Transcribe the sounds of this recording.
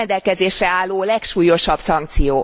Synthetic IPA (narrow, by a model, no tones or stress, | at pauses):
nd̪ɛlkɛzeːʃrɛaːlːoːlɛkʃuːjo̞ʃɒb̥sɒŋkt̪sijoː